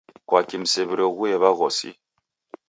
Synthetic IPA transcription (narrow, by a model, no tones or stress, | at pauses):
kwakim̩sɛβiɾeɣuɛβaɣɔsḭ